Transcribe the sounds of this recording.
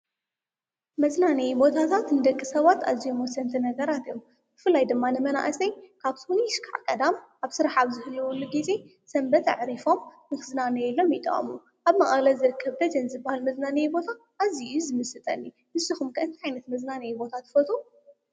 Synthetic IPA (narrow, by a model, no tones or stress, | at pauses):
mɐznanejbo̞t̪ʰat̪ʰat̪nɨd̪ɐkʼːisɐβat̪ʰa̰zijomwɔsːɐnt̪ʰinɐɡɐɾat̪ʰijom | b̥ɨfɨlːajd̪ɨmːanɨmɐna̰ʔsɐjkʰaβsuniʃkʰaʕkʼɐd̪amʔaβsɨɾaħaβzɨhɨljɛwʊlːuɡizʼe̞ | sɐmbɐt̪ʕɾifo̞mnɨkɨznanɐjɛlːo̞mjit̪ʼɐ̰χʼmu | ʔaβmɐχʼalɐlzɨɾɨkʰːɐβd̪ɐd͡ʒɐnzɨbːahalmɐznanejbo̞t̪ʰa | ʔːziʔuzɨmɨsɨt̪ʼɐ̰nːi | nɨsɨxumkʰɨʔɨnt̪iʕajnɐt̪mɐznanɐjbo̞t̪ʰat̪fɐt̪ʰʼu